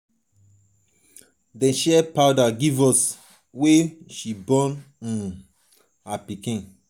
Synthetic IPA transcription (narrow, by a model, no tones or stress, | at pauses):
dɛ̃nʃɛpaʊdaɡivɔs | weʃibɔ̃n | ĩn | apikĩn